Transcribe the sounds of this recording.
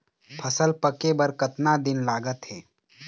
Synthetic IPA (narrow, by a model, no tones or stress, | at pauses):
pʰəsəlpəkebəɾkət̪nad̪ɪnlaːɡət̪ɦɛː